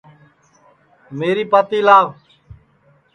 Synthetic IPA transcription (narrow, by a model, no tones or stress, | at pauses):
meːɾiːpaːt̪iːlaːʋ